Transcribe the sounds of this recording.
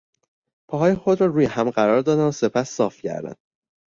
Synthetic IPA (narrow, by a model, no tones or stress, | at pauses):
pʰɒːɦɒːjexod̪ɾɒːɾuːjehæmɢæɾɒːɾd̪ɒːd̪ænse̞pʰæsːɒːfcʰæ̰ɾd̪æ̰n